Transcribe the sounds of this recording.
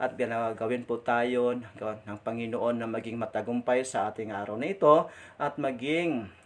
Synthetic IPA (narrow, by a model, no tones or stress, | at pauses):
ʔɐt̪̚ɡɪnaɡɐwɪnpʊt̪aːjonɡɐaɐŋpɐŋɪnoʔonːɐmɐɡɪŋmɐt̪ɐɡʊmpajsɐʔaːt̪ɪŋʔaːɾawnɐɪt̪o | ʔɐt̪̚mɐɡɪŋ